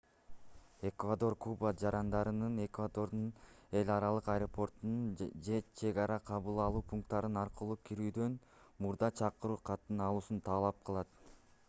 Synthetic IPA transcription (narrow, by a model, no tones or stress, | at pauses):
e̞kvad̪o̞rkʰubad͡ʒɑɾɑnd̪ɑɾɯnɯne̞kvad̪o̞ɾd̪un | e̞lʲɑɾɑlˠɯqɑjɾo̞pʰo̞rt̪unund͡ʒe̞t͡ʃʰe̞ɡɑɾɑqʰɑβɯlˠɑlˠuːpʰuŋk̚t̪ːɑɾɯnɑɾqɯlˠuːkʰiɾyːd̪ø̞n | muɾd̪ɑt͡ʃʰɑqɯɾuːqʰɑt̪ːɯnɑlˠuːsunt̪ʰɑːlˠɑp̚qʰɯlˠɑt̪